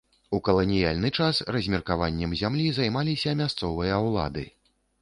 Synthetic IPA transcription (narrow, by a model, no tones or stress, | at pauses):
ukɐlˠɐnʲijalʲnɨt͡ʂasrɐzʲmʲɛrkavanʲːɛmzʲamlʲizajmalʲisʲɐmʲast̪sɔvɨjɐwlˠa̰d̪ɨ̰